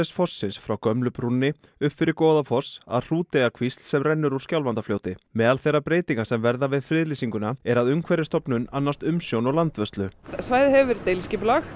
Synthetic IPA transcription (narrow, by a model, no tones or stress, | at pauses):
sfɔsːɪnsfɾawkœmlʏpɾunːɪ | ʏpfɪɾɪɾkoːðafɔsa̰ðr̥uːt̪ejɣakʰvist̪sɛmrɛnːʏɾuɾ̥scjawlvant̪afloːwt̪ɪmɛːðalθɛrːapɾeːjt̪iŋkasɛmvɛɾðavɪðfɾɪðlisiŋkʏnaɛɾaðʏmkʰvɛɾɪst̪ɔpnʏnanːast̪ʏmsjownɔɣlant̪vœst̪lʏsvajðhɛvɪɾt̪ejlscɪplax